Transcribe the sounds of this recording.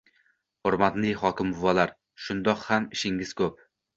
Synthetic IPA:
hoɾmat̪nɪhɒkʲɪmʊvɒlaɾ | ʃʊnd̪ɒqhamɪʃɪŋɪz̥kʰɵp̚

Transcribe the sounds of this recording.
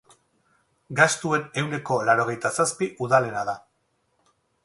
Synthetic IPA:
ɡast̪ue̞ne̞wne̞ko̞laɾo̞ɣ̞e̞jt̪asaspiʔuðale̞naða

